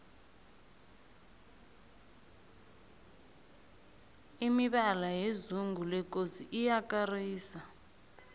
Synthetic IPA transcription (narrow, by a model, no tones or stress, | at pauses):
imiɓalajezuŋulɛk̬ʼosiʔijakariːsa